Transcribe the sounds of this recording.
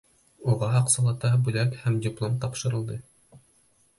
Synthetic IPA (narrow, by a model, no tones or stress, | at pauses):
uʁɑɑqsɑlˠɑt̪ɑbʉlækhæmdʲɪplˠomt̪ɑpʃɤ̆ɾɤ̆lˠd̪ɤ